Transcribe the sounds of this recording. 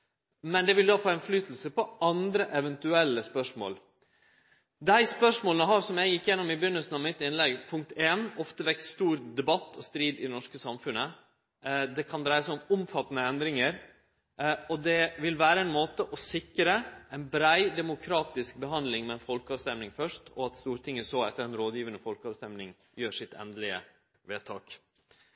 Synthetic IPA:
mɛnd̪ɛʋɪld̪ɑːfoːɛɪnflyːt̪l̩səpɔɑnd̪ɾəʔɛʋɛnt̪ʉɛlːəspœʂmo̰ːl | d̪æɪspœʂmoːlənəɦɑːʂɔmjæɪjɪkːjɛnːɔmɪbʏnːəlsn̩ɑʋmɪt̪ːɪnlɛɡpʰʊŋk̚t̪ʰeːnɔft̪əʋɛksst̪uːɾd̪ɛbɑt̪ːɔst̪ɾiːd̪ɪ̰nɔʂkəsɑmfʉnːə | d̪ɛkʰɑnd̪ɾæɪəsʊmʊmfɑt̪ːnəɛnd̪ɾɪŋəɾ | ɔd̪ɛʋɪlʋæːɾəɛɪnmoːt̪əʔɔsɪkːɾəʔɛɪnbɾæɪd̪ɛmʊkʰɾɑːt̪ɪsk̚bəɦɑnd̪lɪŋmɛɛnfɔlkəɑːʋst̪ɛmnɪŋfœʂtʰɔ̰ɑt̪st̪uːɾt̪ʰɪŋːəsoɛt̪ːəɾɛnɾoːd̪jiːʋənəfɔlkɑːʋst̪ɛmnɪŋ | jøːʂɪt̪ʰɛ̰nd̪lɪə̰ | ʋeːt̪ʰɑːk

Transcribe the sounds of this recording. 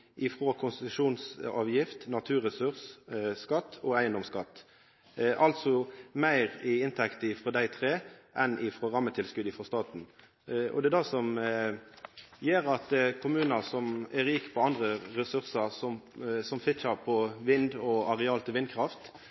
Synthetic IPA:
ʔɪfɾokʰʊnst̪ɪt̪ʉʂuːnsɑ̰ːʋjɪft̪nɑt̪ʰʉːɾɛsʉʁsskɑt̪ːɔæɪənd̪ɔmskɑt̪ː | ʔɑlt̪sɔmæɪʁɪɪnt̪ʰɛkt̪əɪfʁɔd̪æɪt̪ʰʁeːʔɛnʔɪfʁɔʁɑmːət̪ʰɪlskʉd̪ɪfʁɔst̪ɑːt̪n̩ | ʔɔ̰d̪ɛd̪æsɔm | jeːɾɑt̪̚d̪kʰʊmʉːnɑsɔmæɾiːkpʰɔɑnd̪ʁəʁɛsʉʁsɑsɔsɔmfɪt͡ʃɑʁpʰɔʋɪnd̪ɔɑʁɛɑːlt̪ʰɪʋɪnd̪̚kʰɾɑft̪

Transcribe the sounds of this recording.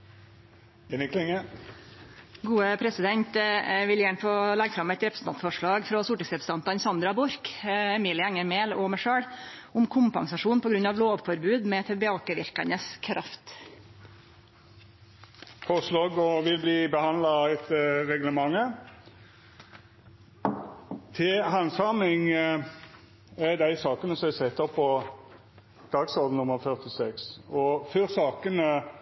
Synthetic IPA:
ɪnɪklɪŋə | ɡuːəpʰɾɛsɪd̪ɛnt̪ʋɪljæːɳəfɔlɛɡːfɾɑmɛt̪ɾɛpɾəsn̩ʰɑnt̪fɔʂɭɑːɡfɾɔsuːʈɪŋsɛpst̪ɑnt̪ɑnsɑnd̪ɾɑbʊɾkɛmiːlɪɛŋːəɾmeːlɔmɛʂøːɽʊmkʰʊmpɑŋsɑʂuːnpʰɔɡɾʉnːɑʋloːʋfɔɾbʉːd̪mɛt̪ʰɛbɛɑːkəʋɪɾkə̰nəskʰɾɑft̪ | fɔʁsloːɡɔʋɪlbliːbəhɑnd̪lɑɛt̪ʁɛɡləmɑŋːə | t̪ʰɪɦɑnsɑmɪŋ | ɛd̪æɪsɑːkənəsɔæsɛt̪ːɔpʰːɔ | d̪̥ɑːɡsɔd̪n̩ʊməʁfœʁt̪ɪsɛksɔfœɾsɑːkənə

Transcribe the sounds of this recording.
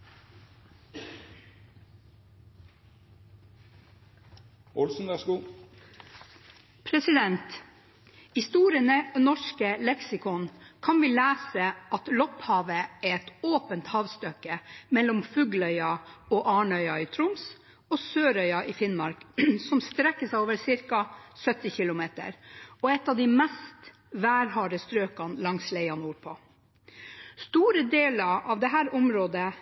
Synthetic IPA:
ʔɔlsn̩d̪ɑskuː | pʰɾɛsɪd̪ɛnt̪ | hɪst̪uːɾɪənənɔʂkəlɛksɪkʰɔnkʰɑnʋiːlæːsəɑt̪lɔphɑːʋəeːɛt̪oːpənt̪hɑːʋst̪œkəmɛlːɔmfʉːɡlœʏɑɔʔɑːɳœʏɑɪt̪ʰɾʊms | ɔsøːɾœʏɑʔɪfɪnmɑɾksɔmst̪ɾɛkːəsɛɪoːʋəɾsɪɾkɑsœt̪ːɪçɪlʊmeːt̪ə̰ɾɔɛt̪ːɑʋd̪ɪmɛst̪ | ʋæːɾhɑːɾəst̪ɾøːkɑnlɑŋslɛɪɑnuːɾpʰɔ | st̪uːɾəd̪eːlɑɾʔɑʋd̪ɛɦæːɾʊmɾoːd̪ə

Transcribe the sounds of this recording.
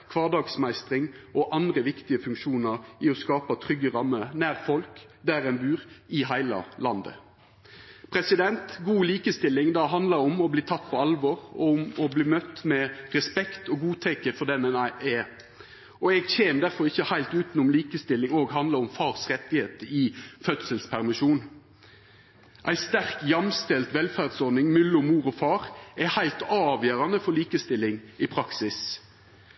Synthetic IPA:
kʰʋɑːd̪ɑːɡsmæɪst̪ʁɪŋɔʔɑnd̪ɾəʋɪkt̪ɪəfʉŋkʃuːnəʁɪɔskɑːpɑt̪ʰʁʏɡəɾɑmːənæːʁfɔlk | d̪æɾɛnbʉːʁɪɦæɪlɑ̰lɑnd̪ə̰ | pʰɾɛsɪd̪ɛnt̪ɡuːliːkəst̪ɪlːɪŋd̪ɑːɦɑnd̪lɑɾɔmɔbliːt̪ʰɑt̪ːpʰɔɑlʋɔːɾɔmɔbliːmœt̪ːmɛʁɛspɛkt̪ɔɡuːt̪ʰɛkəfɔd̪ɛnɛnæɪɛ | ɔɛɡçeːmd̪æʁfɔɾɪçːəhæɪlt̪ʉːt̪nʊmliːkəst̪ɪlːɪŋoːɡɦɑnd̪ləɾʊmfɑːʁsʁɛt̪ːɪheːt̪əɪfœt̪səlspʰæʁmɪʃuːn | ʔæɪst̪æʁkjɑmst̪ɛlt̪ʋɛlfæʁd̪sɔɾnɪŋmʉlːʊmuːɾɔfɑːɾɛhæɪlt̪ɑːʋjøːɾɑnəfɔɾliːkəst̪ɪlːɪŋɪpʰɾɑksɪs

